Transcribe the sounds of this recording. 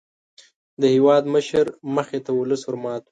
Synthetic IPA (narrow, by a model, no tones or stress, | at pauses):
d̪əhewɑd̪məʃəɾməxet̪awʊləshʊɾmɑt̪w